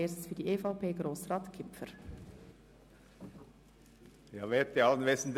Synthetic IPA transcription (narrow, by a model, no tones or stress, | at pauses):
eːsfydiʔeːfɑʊpʰeːɡɾoːsɾɑːt̪kʰɪpfəɾ | jɑːʋeːt̪̚iɑlənʋesn̩d̪